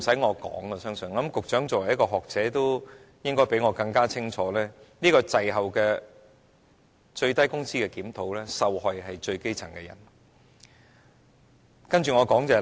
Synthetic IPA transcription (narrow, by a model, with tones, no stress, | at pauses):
sɐ˨˥jŋɔː˨˧kɔ̰ː˨˥ŋɐ˧sœː˥ŋsɵ˨n˨˥˦mkʊ˨k̚t͡ʃœː˨˥ŋt͡sɔː˨˩wɐ˨˩jɐ˥kɔː˧ɦɔː˨k̚t͡sɛː˨˥t̪o˥w | jɪ˥ŋkɔː˥jpe˨˥jŋɔː˨˧kɐ˧ŋkaː˥t͡sʰɪ˥ŋt͡ʃʰɔː˨˥lɛː˥niː˥kɔː˧t͡sɐ˨jɦɐ˨wkɛː˧ | t͡ʃɵ˧ɥt̪ɐ˥jkʊ˥ŋsiː˥kɛː˧kiː˨˥mt̪ʰo˨˥wlɛː˥sɐ˨whɔ˨jɦɐ˨jt͡ʃɵ˧ɥke˥jt͡sʰɐ̰˨˩ŋkɛː˧jɐ̰˨˩n | kɐ˥nt͡ʃyː˨ŋɔː˨˧kɔː˨˥ŋt͡sɛː˨˧